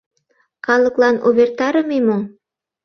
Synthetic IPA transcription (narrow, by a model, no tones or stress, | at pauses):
χɑlˠɤ̆klˠɑnuβert̪ɑɾə̆memoŋ